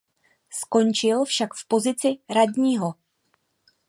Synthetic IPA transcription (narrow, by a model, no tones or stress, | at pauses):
sko̞nt͡ʃɪlfʃakfpo̞zɪt͡sɪɾadɲiːɦo̞